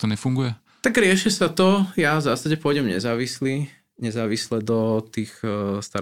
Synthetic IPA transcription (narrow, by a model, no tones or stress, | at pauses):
t̪ɔɲɛfuŋɡujɛ | t̪aɡɾɪɛʃɛsat̪ɔjavzasaɟɛpʊɔjɟɛmɲɛ̰zaːʋisli | ɲɛzaːʋislɛd̪ɔt̪iːxst̪a